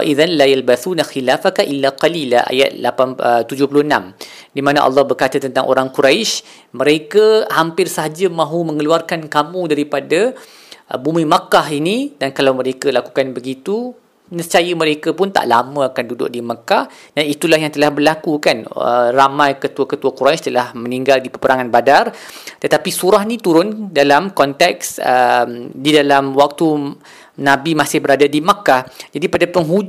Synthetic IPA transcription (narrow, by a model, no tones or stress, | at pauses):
wa̰ʔiðanlajalbaθunaxilafakaʔilːaqalilaʔa̰ja̰t̪̚lapant̪ud͡ʒʊhpulʊhənãm | dimãna̰ʔɑ̰lːɑhbərkat̪ət̪ənt̪aŋʔo̰ɾaŋkuɾajʃ | mə̃ɾekəhampɪrsaɦad͡ʒəmãɦumə̃ŋəluarkankamũdaɾipada | bumĩmakahinidankalawməɾekəlaku̥kanbəɡit̪u | nət͡ʃajəməɾekəpʊnt̪a̰ʔlamə̃akandudʊ̰ʔ̚dimakah | danit̪ulahjaŋt̪əlahbərlakukanə̰ramãjkət̪uakət̪uakuɾanst̪əlahmə̃niŋɡaldipəpəɾaŋanbadart̪ət̪apisuɾaɦnĩt̪uɾʊndalamkɔnt̪ɛksəmdidalamwak̚t̪u | nãbimasɪhbəɾadadimakahd͡ʒadipadapəŋɦu